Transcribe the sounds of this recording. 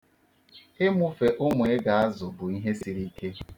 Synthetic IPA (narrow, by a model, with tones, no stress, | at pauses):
e˦mʊ˦fe˨ʔʊ˦mʊ˨ɪ˦ɡa˨a˦zʊ˨bʊ˨i˦ɦe˦si˨ɾi˦kʰe˦